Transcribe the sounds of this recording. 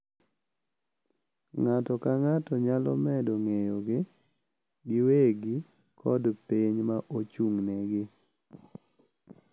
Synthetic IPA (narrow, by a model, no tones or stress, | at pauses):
ŋatɔkaŋatɔɲalɔ̰mɛdɔŋejoɡɪ | ɡɪweɡi | kʰɔ̰dpeɲmaʔot͡ʃuŋneɡɪ